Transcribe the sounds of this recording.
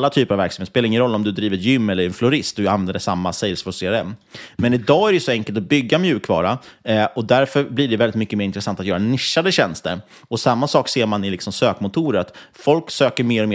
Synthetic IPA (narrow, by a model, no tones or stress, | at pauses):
lːat̪ʰyːpəɾavæɾksamet̪speːlɾɪŋːənɾɔlːɔmd̪ɵd̪ɾiːvət̪jʏmːɛlːəɾɛnflʊɾɪst̪̚d̪ɵanvɛnd̪əʂamːasɛjlsfɔseːɛmːmɛnɪd̪ɑːæɖɛjʉsɔɛŋkəlt̪ɔbʏɡːamjʉ̟ːkʰvɑ̰ːɾaɔd̪æɾfœɾbliɖɛvɛlɪt̪mʏkːəmeːɾɪnt̪ɾɛsant̪at̪jœːɾanɪʂːad̪əɕɛnst̪əɾ | ɔsamːasɑːkseːɾmanɪlɪksɔmsøːkmʊt̪ʰuːɾəat̪fɔlksøːkəɾmeːɾɔmeː